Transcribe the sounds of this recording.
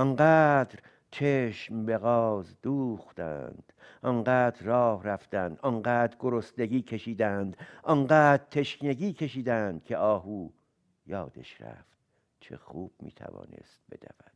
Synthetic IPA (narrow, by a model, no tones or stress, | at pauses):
ʔɒŋɢæːd̪ɾ | t͡ʃʰeʃmbe̞ɣɒːzd̪uːxt̪æ̰nd̪̥ | ʔɒɴɢæːd̪ɾːɒːhræft̪ænd̪ʔɒnɢæːd̪ɾɡoɾost̪eɡiːkʰe̞ʃiːd̪ænd̪ʔɒŋɢæːd̪̚t̪ʰe̞ʃneɡiːkʰe̞ʃiːd̪ænd̪̥̚kʰe̞ɒːɦuː | jɒːd̪̥ḛʃɾæ̰ft̪ | t͡ʃʰe̞̰xuːb̥̚mḭːt̪ʰæ̰vɒ̰ːne̞̰st̪̚b̥e̞̰d̪æ̰væd̪̥̚